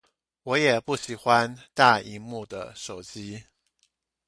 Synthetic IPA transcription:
wɔ˧˥jɛ˨˩pu˥˩ɕi˨˩xwa˦nt̪a˥˩i˧˥mu˥˩d̪ə̰˩ʂo˨˩ʊt͡ɕi˥

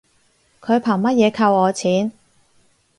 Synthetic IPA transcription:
kʰɵ˨˧ɥpʰaː˨˩ŋmɐ˥t̚jɛː˨˧kʰɐ˧wɔː˨˧t͡sʰiː˨˥n

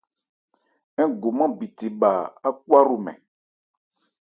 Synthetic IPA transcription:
ɛ̃˦ɡo˨mã˦bi˨ti˨ɓa˨a˦k̚u˦a˦ɾu˨mɛ̰̃˨

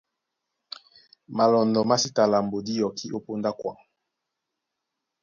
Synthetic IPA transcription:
ma˨lɔ˨ndɔ˨ma˦si˦ta˨la˨m˨bo˨di˦jɔ˨kʰi˦ʔo˦po˦nda˦kwa̰˨ŋ

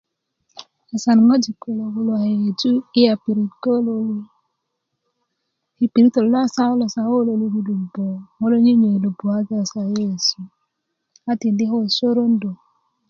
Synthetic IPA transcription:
a˨sa˨n˨ŋo˦d͡ʒi˨ko˨lo˨ɡu˨lwa˨he˨d͡ʒu˦i˦a˨pi˨ɾi˨tko˦lo˨˦li˦ | hi˨pi˨ɾi˦to˨lla˦sa˦lɔ˨sa˨˦o˦lo˨lu˦du˦du˨bo˨ŋo˦lo˦ɲi˦ɲe˨lo˨bo˨a˦ɡa˦˨sa˨je˦˨su˨ | a˦ti˨ndi˦ho˦˨so˦ɾo˦n˦do˨

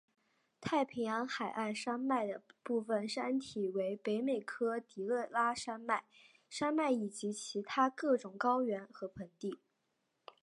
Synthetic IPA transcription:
t̪ʰa˥˩ɪpʰi˧˥ŋjɑ˧˥ŋxa˨˩ɪʔa˥˩ɪʂa˥nma˥˩ɪd̪ə˩pu˥˩fə˨˩nʂa˥nt̪ʰi˨˩we˧˥ɪpe˧˥ɪme˨˩ɪkʰɤ˥t̪i˧˥ɤ˥˩la˥ʂa˥nma˥˩ɪ | ʂa˥nma˥˩ɪi˨˩t͡ɕi˧˥t͡ɕʰi˧˥t̪ʰa˥kɤ˥˩ʈ͡ʂʊ˨˩ŋkɑ˥ʊɥɛ˧˥nxɤ˧˥pʰə˧˥nt̪i˥˩

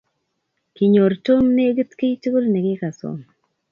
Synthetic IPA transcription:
ki˨ɲo˨ɾto˦mne˦ɡə˦t̪ke˦i˦tu˦ɡo˦lne˨ɡɪ˦ka˨so̰˦m

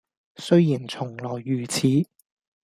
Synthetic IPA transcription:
sɵ˥ɥjiː˨˩nt͡sʰʊ˨˩ŋlɔː˨˩jːyː˨˩t͡sʰiː˨˥

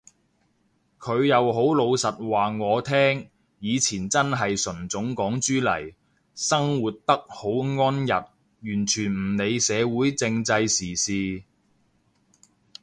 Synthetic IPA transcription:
kʰɵ˨˧ɥjɐ˨˧wɦo˨˥wlo˨˧wsɐ˨t̚waː˨ŋɔː˨˧t̪ʰɛː˥ŋ | jiː˨˧t͡sʰiː˨˩nt͡sɐ˥nɦɐ˨jsɵ˨˩nt͡sʊ˨˥ŋkɔː˨˥ŋt͡ʃyː˥lɐ̰˨˩j | sɐ˥ŋwuː˨t̚t̪ɐ˥k̚ho˨˥wŋɔː˥njɐ˨t̚ | jyː˨˩nt͡ʃʰyː˨˩nm̩˨˩ne˨˧jsɛː˨˧wuː˨˥jt͡sɪ˧ŋt͡sɐ˧jsiː˨˩siː˨˧

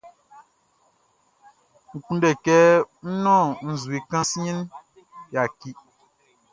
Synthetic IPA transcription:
ŋ̩˨kũ˦ndɛ˨kɛ˦n̩˦nɔ̃˦˨n̩˨zu˨i˨kã˦si˦ɲĩ˦n | ja˨ki˦

